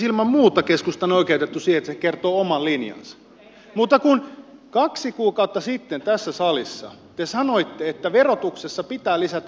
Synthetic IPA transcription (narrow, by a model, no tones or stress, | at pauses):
ilmɑmmuːt̪ːˑɑkeskust̪ɑnoikeyt̪et̪ːusiːet̪ːæsekert̪oːomɑllinjɑ̰nsɑ̥ | mut̪ːɑkunkɑksikuːkɑut̪ːɑsit̪ːent̪æsːæsɑlisːɑ̰ | t̪esɑnoit̪ːeet̪ːæʋerot̪uksesːɑpit̪æːlisæt̪æ